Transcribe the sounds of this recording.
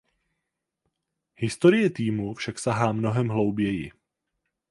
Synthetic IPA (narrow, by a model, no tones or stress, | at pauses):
hɪst̪o̞ɾɪjɛt̪iːmufʃaksaɦaːmno̞ɦɛmɦlo̞wbjɛjɪ